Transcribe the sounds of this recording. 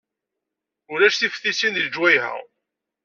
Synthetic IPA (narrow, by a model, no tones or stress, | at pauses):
ʊlæʃθifθisinðəd͡ʒwæjhæ̰ʁ